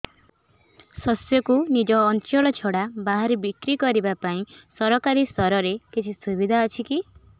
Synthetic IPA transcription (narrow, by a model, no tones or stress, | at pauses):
sɔsjɔkunid͡ʒɔːnt͡ʃɔɭɔt͡ʃʰɔɽabaɦaɾebikɾikɔɾibapaĩsɔɾɔkaɾist̪ɔɾɔɾekit͡ʃʰisubid̪ʱaɔt͡ʃʰiki